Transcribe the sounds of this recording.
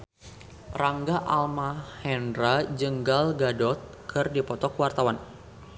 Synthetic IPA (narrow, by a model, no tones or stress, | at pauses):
raŋɡaʔalmahɛndɾad͡ʒəŋɡalɡadɔt̪̚kʰɨrdipɔt̪ɔkwart̪awan